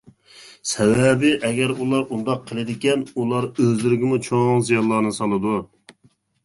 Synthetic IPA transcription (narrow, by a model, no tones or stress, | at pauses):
sɛwɛbɪʔɛɡʲɛɾulˠɑɾund̪ɑqʰːəlˠɪd̪ɪkʲɛnulˠɑɾøzlɪɾɪɡʲɪmut͡ʃʰoŋzijɑnlˠɑɾnɨsɑlˠɨd̪u